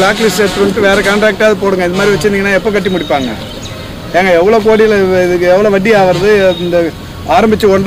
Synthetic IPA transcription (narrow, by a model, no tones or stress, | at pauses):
laːklɪset̪ːɾɯnkːɯʋeːɾɛkaːɳʈɾaːk̚ʈaːðɯpoːɽɯŋɡɐɪnðɐmaːd̪ɾiɪʋɐt͡ʃːɪniŋɐnːaːɛpːokɐʈːimʊɽɪpːaːŋɡɐ̰ | ɛːŋɡɐɛʋːɐɭoːkoːɽɪjlɪðɯkːɛʋːɐɭoːʋɐʈːiaːʋɐɾɐðɯɪnd̪ɐ | aːɾɐmbɪt͡ʃːɯɔɳɖ